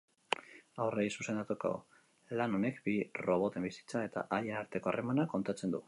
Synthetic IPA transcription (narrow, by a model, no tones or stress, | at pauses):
awrejsuse̞nd̪at̪oko̰ | lano̞ne̞kbiro̞β̞o̞t̪e̞mbisi̥t͡sae̞t̪a̰ʔaje̞naɾt̪e̞ko̞a̰rʔemanako̞nt̪at͡se̞nd̪u